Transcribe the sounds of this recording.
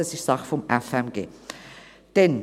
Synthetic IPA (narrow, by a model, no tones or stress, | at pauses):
əsɪçz̥aχfɔmɛfɛmɡḛː | d̥ɛn